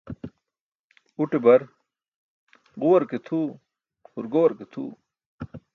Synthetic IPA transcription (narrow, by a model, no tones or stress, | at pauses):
uʈebɐɾ | ɡuwɐɾket̪ʰuː | huɾɡowɐɾket̪ʰṵː